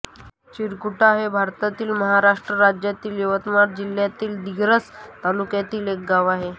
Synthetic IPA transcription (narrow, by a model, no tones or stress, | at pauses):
t͡ɕiɾkuʈaɦebʱaɾt̪at̪iːlməɦaɾaʂʈɾəɾad͡ʑjat̪iːljəʋət̪maɾd͡ʑil̤jat̪iːld̪iɡɾət͡st̪alukjat̪iːlek̚ɡaʋaɦe